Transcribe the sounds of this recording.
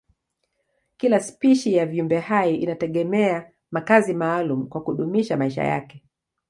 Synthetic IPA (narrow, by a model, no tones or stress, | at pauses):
kilaspiʃijaviumbɛhajiinatɛɠɛmɛa | makazimaːlumukwakuɗumiʃamaiʃa̰ja̰kɛ